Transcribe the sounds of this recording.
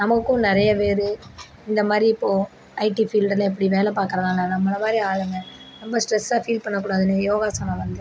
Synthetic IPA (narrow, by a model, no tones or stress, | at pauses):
nɐmɐkːʊ̃nɪɾɐjɐʋeːɾɯ | ɪnd̪ɐmaːd̪ɾiɪpːoː | ɐɪʈifiːlɖlɐɛp̬ːɐɽiʋeːlɛpaːɾkɪɾɐðãːnaːnɐmːɐnɐmaːd̪ɾiaːlɯŋɡɐɾɔmbɐsʈɾɛsːaːfiːlpɐɳːɐk̬ːuːɽaːðɯnɯjoːɣaːsɐnɐ̃ʋɐnd̪ɯ